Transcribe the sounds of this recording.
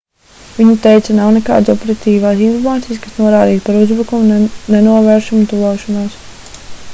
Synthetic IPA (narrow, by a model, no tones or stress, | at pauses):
vʲiɲut̪ɛjt̪sɐnawneka̰ːd̪sɔpeɾat̪iːvaːsinfɔɾmaːt̪ijskasnuɔɾaːd̪iːspaɾuzbɾukumunenuɔvɛːɾʃumt̪uvɔːʃɔnaːs